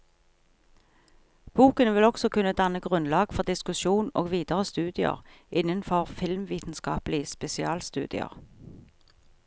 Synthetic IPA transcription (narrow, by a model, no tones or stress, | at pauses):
b̥uːkənʋɪlɔɡsɔkʉnːəd̪ɑnəɡʁʉnlɑːɡ̥fɔʁd̪ɪskʉʃuːno̰ːɡʋiːd̪əʁəst̪ʉːd̪ɪə̰ʁ | ʔɪnənfɔʁfɪlmʋiːt̪n̩skɑ̰ːplɪəspɛsɪɑːlst̪ʉ̰ːd̪ɪ̰ə̰ʁ